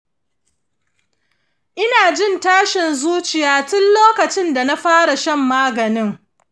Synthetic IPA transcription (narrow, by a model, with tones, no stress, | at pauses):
ʔɪ˦naː˨d͡ʒɪ˦ntaː˦ʃɪ˨nzuː˦t͡ʃɪ˨jaː˦tʊ˦nloː˦kɐ˨t͡ʃɪ˦nda˨na˦ɸaː˦ɽa˨ʃɐ˦mːaː˦ɡɐ˨nɪ˦ŋ